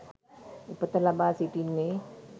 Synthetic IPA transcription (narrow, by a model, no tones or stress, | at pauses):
upːət̪ɐlabasiʈinːe